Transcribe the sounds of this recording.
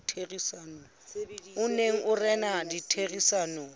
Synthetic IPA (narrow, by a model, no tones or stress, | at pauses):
tʰerisanɔ | ʊneŋ̩ʔʊrɛnaditʰeɣisaːnɔ